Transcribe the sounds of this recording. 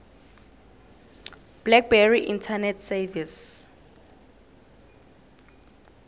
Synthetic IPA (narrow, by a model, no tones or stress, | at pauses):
b̥lɛk̚bɛriʔḭntʰanɛtʰsɛvis